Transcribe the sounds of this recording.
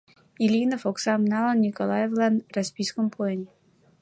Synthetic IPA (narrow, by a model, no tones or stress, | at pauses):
ilʲinəfoksamnalˠannʲikolˠajevlˠanrasʲpʲijskəmpɛnʲɪ